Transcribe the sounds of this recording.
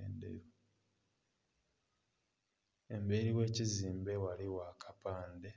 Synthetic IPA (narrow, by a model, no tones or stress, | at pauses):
ḛːndḛjo | e̞mbe̞ɾiwe̞ːciziːmbe̞waliwakʰḁpaːnde̞